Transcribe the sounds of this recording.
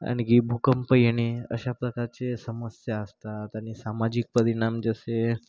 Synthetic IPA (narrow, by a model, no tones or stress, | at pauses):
a̰ɽ̃ikibʱukəmpəjɽ̃eə̰ɕapɾəkaɾt͡sesəməsjaəst̪at̪janisamad͡ʑik̚pəɾiɽ̃amd͡zəse